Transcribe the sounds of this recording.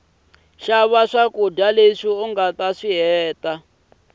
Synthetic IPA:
ʃaβaʂakudaleʂiuŋɡataʂiɦɛːtʼa

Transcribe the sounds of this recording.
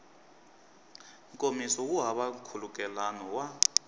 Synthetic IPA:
ŋkʼomisɔwuɦaɓakʰulukʼɛlanɔwa

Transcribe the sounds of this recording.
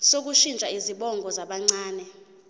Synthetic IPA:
sok̬uʃint͡ʃʼaiziɓɔŋɡʱɔzaɓaŋ͡ǀaːnɛ

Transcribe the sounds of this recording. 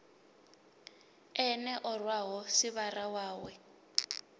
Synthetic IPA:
ɛnɛʔɔrwaɦɔsɪβarawaːwɛ

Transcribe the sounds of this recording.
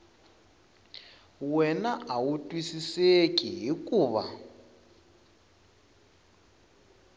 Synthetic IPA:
wɛnaʔawutʼwisisekʼiɦikʼuːβa̰

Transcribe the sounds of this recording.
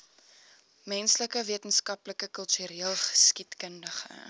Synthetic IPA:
mɛnsləkəviətənskɐpləkəkœlˠtyɾiəlˠχə̥skitkəndəχə̰

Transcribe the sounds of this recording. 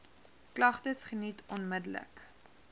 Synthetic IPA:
klɐχtəsχənitʰɔnmədələ̰k

